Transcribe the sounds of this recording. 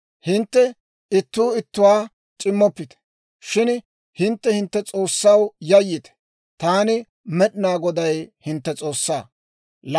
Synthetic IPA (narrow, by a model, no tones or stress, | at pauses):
hɪnt̪ːɛ | ɪt̪ːuːɪt̪ːʊwaː | t͡ʃʼɪmːɔpːɪt̪ɛ̥ | ʃɪn | hɪnt̪ːɛhɪnt̪ːɛt͡sʼo̞ːsːɐwjɐjːɪt̪ɛ̥ | t̪aːnɪ | mɛɗɪnaːɡɔd̪ɐjhɪnt̪ːɛt͡sʼo̞ːsːaː | l